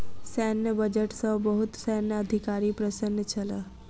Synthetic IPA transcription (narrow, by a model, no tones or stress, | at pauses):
sɛnːəbəd͡ʒəʈsəbəɦut̪sɛnːəəd̪ʱikaɾipɾəsənːət͡ʃʰəla